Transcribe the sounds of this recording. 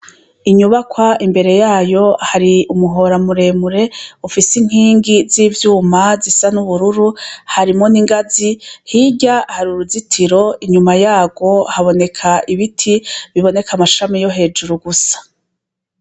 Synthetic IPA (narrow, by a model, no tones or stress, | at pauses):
iɲuβakwaimbe̞ɾe̞jaːjo̞haɾiumuɦo̞ɾamuɾe̞ːmuɾe̞ufisiŋ̥hiːŋɡiziːvjuːmazisanuβuɾuɾuhaɾimo̞niŋɡazihiɟahaɾuɾuzitʰiɾo̞iɲumajaːɡo̞haβo̞ne̞kʰaiβitʰiβiβo̞ne̞kʰamaʃamijo̞ɦe̞ːd͡ʒuɾuɡusḁ